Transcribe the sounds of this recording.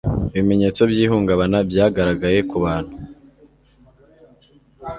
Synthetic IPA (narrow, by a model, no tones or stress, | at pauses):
iβime̞ɲe̞ːt͡so̞bɟiːɦuːŋɡaβanabjaːɡaɾaɡaje̞kuβaːn̥hu